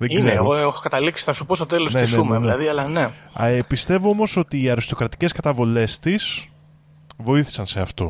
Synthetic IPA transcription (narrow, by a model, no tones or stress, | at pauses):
ðeiɡzeeeoɣoexokɐt̪ɐliksi̥θɐsupo̞st̪ot̪e̞losnenseumenðielɐðiɐlɐnepist̪e̞voo̞mo̞so̞t̪iːɐɾist̪o̞kɾɐt̪i̥ce̞skɐt̪ɐvole̞st̪is | vo̞iθi̥sɐnse̞ɐft̪o̞